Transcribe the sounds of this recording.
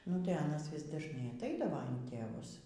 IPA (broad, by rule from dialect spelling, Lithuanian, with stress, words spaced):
nʊ tɐɪ ˈɑːnɐs ˈʋʲɪs dɐʒˈnɐɪ ɐtˈɐɪdɐʋoː ɪn tʲeːˈʋʊs